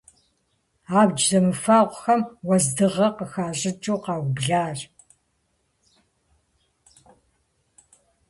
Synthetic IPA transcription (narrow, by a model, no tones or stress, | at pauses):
aːbd͡ʒzɐmɨfaːʁʷxɐmwɐzdɨʁɐqəxaːɕʼɪt͡ʃʼoːqɑːwbɮaːr